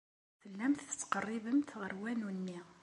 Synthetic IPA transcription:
θəlːæmt̪ə̥t͡sːqərˤːibəmt̪ʁəɾwænunːi

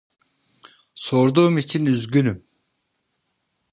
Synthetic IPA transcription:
soɾd̪umit͡ʃʰinyzɡʲynym

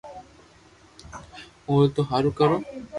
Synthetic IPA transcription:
ot̪oɦaɾukaɾo

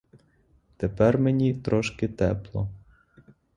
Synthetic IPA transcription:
t̪epɛrmenʲit̪ɾɔʃkɪt̪ɛplˠɔ

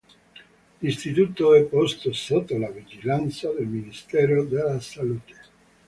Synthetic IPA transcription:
list̪it̪ut̪oɛpːɔst̪osot̪ːolavid͡ʒilant̪sad̪elminist̪ɛɾod̪elasalut̪e̥

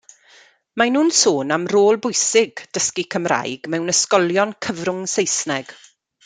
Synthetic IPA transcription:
manuːnsoːnamroːlˠbʊjsɪɡd̥əskikʰəmra̰jɡmɛwnəskɔlˠjɔnkʰəvrʊŋsejsnɛɡ̥

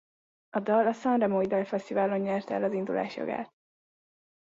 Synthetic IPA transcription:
ɒd̪ɒlːɒsɒnrɛmojd̪ɒlfɛst̪ivaːlo̞ɲɲɛrt̪ɛ̰lɒzind̪ulʔa̰ːʃjɒ̰ɡa̰ːt̪̚

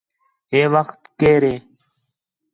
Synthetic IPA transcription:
eːʋəxt̪keːɾẽː

